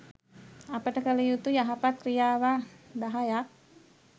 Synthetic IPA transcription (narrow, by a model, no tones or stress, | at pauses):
apatakalijut̪ujaɦapat̪̚kɾijawadaɦajak̚